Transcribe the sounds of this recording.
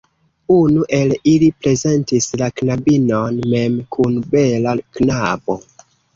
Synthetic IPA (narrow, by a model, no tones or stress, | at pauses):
unuʔe̞lilipɾe̞ze̞ntislaknabinonme̞mkʰunbe̞laknabo̞